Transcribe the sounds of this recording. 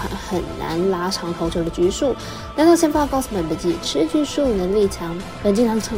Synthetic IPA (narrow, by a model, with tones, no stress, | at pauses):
a̰˧˥nxə˨˩nna̰˧˥nla˥ʈ͡ʂʰɑ˧˥ŋt̪ʰo˧˥ʊʈ͡ʂʰɤ˥˩d̪ə˨t͡ɕy˧˥ʂu˥˩ | na˥˧˥nt̪ɑ˥˧ʊɕjɛ˥n˥pɑ˥˧kɑ˥˩ʊsə˨˩mə˨˩d̪ə˧˩t͡ɕi˨˩ʈ͡ʂʰɻ̩˥t͡ɕy˧˥ʂu˥˩nə˧li˥˩t͡ɕʰjɑ˧˥ŋ | kə˨˩nt͡ɕi˥˩t̪ʰɑ˧˥ŋʈ͡ʂʰɤ˧˥